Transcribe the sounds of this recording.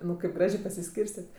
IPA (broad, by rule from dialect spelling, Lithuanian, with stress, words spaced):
ˈnʊ kɐɪp ˈɡrɑːʒʲeː pɐsʲɪˈsʲkʲiːrʲsʲtʲɛtʲ